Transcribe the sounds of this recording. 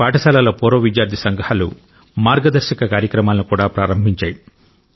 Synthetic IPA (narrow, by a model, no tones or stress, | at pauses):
paːʈɐsaːlaːlɐpɔːɾoːʋid͡ʒjaːɾd̪ʱisɐŋɡɐhɐlṵ | maːɾɡɐd̪ɐɾʃɐkɐkaːɾjɐkɾɐmaːlɐnikuːɽaːpɾaːɾɐmbʱiɲt͡ʃaːji